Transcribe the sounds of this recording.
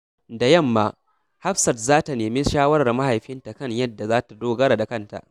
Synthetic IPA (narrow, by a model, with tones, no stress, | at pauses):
da˨jɐ˦˨mːaː˦ | ha˦ɸsɐ˨rzaː˦ta˨neː˨mi˦ʃaː˦wɐ˦ɾɐ˨rma˦ha˨jɸɪ˦nta˨kɐ˦˨ɲjɐ˦dːa˨zaː˦ta˨doː˦ɡɐ˦ɾa˨da˨kɐ˦nta̰˨ʔ